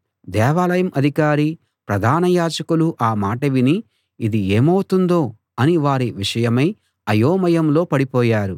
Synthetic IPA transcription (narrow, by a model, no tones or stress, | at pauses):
d̪ɛːʋaːlɐjɐmʔɐd̪ʱikaːɾi | pɾɐd̪ʱaːnɐjaːd͡ʒɐkuluʔaːmaːʈɐʋiniː | d̪ie̞ːmɐwt̪und̪o̞ː | ɐniʋaːɾiʋiʂɐjɐmɐj | ɐjoːmɐjɐmlo̞ːpɐɽipɔːjaːɾu